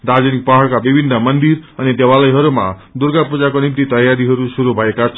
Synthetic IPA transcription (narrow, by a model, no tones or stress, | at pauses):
ɾad͡zenik̚paɦʌɽkabibʱinːʌmʌnd̪iɾʌnid̪ewalʌjɦʌɾuma̰d̪uɾɡapud͡zakonimt̪it̪ʌjaɾiɦʌɾusuɾubʱʌekat͡ʃʰ